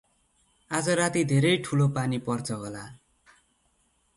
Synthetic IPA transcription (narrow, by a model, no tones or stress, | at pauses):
ad͡zʌɾat̪id̪ʱeɾʌjʈʰulopanipʌrt͡sʰʌɦʌla